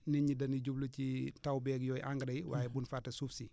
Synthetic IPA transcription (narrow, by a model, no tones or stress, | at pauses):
niɲidɐniɟublucitawbɛɡjoːjʔaŋɡɾaiwa̰ːjebunfatasufsi